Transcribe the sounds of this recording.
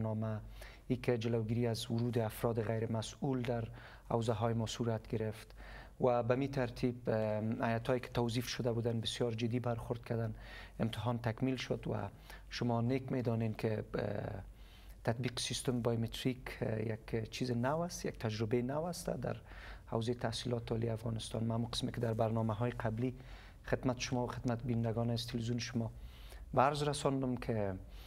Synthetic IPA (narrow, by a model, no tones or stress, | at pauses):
nɔma | ikɪd͡ʒɪlawɡiɾiazwʊɾud̪ɪafɾɔd̪ɪɣajɾɪmasuld̪aɾ | ha̰wzaɦɔjɪmɔsuɾat̪ɡɪɾɪft̪ | wabamit̪ʰaɾt̪ʰibajat̪ʰɔjɪkɪ̥t̪awzifʃʊd̪abud̪anbɪsjɒɾd͡ʒɪd̪ːibaɾxʊɾd̪kʰad̪anɪmt̪ɪɦɔnt̪akmilʃʊd̪wa̰ | ʃʊmɔnekmed̪ɔnenkʰɪ | t̪at̪̚biqɪ̥sist̪ʊmbajmɪt̪ʰɾikjakt͡ʃʰizɪnawast̪ja̰k̚t̪ʰad͡ʒɾɪbenawast̪a̰d̪a̰ɾha̰wzejt̪ʰahsilɔt̪ɔliafɣɑnɪst̪ɑ̰nmaːmuqə̥smɪkɪd̪aɾbaɾnɔmaɦɔjɪqʰabli | xɪd̪mat̪ɪ̥ʃʊmɔwaxɪd̪mat̪̚bind̪aɡɔnazt̪ʰɪlwizjunʃʊmɔ | baaɾzɾasɔnd̪ʊmkʰɪ